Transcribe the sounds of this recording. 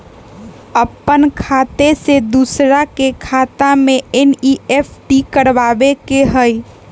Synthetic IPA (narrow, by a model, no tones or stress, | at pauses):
əpːənkʰat̪esed̪usɾakekʰat̪amẽeniepʰʈikəɾʋabekeɦəj